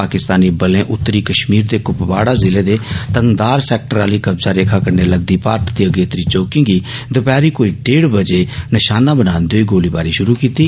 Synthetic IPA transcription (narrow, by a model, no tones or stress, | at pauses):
aːkɪst̪aːniːbəlẽːʔʊt̪ːəɾiːkəʃmiːɾd̪eːkʊpbaːɽaːzɪleːd̪eːt̪ə̃ŋɡd̪aːɾsɛːk̚ʈəɾaːliːkəbzaːɾeːkʰaːkəɾneːləɡd̪iːpaːɾt̪d̪iːəɡeːt̪əɾiːt͡ʃoːkɪ̃ŋɡiːd̪ʊpɛːɾiːkoːiːɖeːɽbəd͡ʒeːnɪʃaːnaːbənaːnd̪oːiːɡoːliːbaːɾiːʃʊɾuːkiːt̪iː